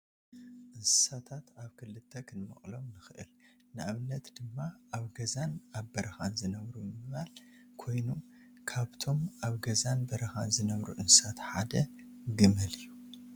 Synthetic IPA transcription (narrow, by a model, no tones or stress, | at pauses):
ʔɨnsɨ̥sat̪ʰat̪aβkʰɨlɨt̪ʰːɐkʰɨnmɐ̰χʼlo̞mnɨxɨʔɨ̰l | nɨʔaβɨnɐt̪d̪̥ɨmːaʔaβɡɐzanaβbɐɾɐxanzɨnɐβɾujɨmɨβalkʰo̞jnu | kʰaβt̪ʰo̞mʔaβɡɐzanbɐɾɐxanzɨnɐβɾṵʔɨnsɨ̥sat̪ħad̪ɐɡɨmɨlɨjːu